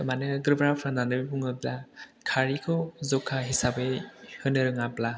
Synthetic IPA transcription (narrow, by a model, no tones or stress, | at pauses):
tɔmanɯɡɯɾbɾapʰɾandanɯbibuŋɯblakʰaɾikʰɔzɔkʰːaɦisabehɯnɯɾɯŋapla